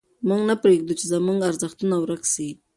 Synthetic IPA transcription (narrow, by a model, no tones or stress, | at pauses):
mʊŋɡnapɾeɡ̚d̪ut͡ʃezamuŋɡaɾzaχt̪ənawɾaksi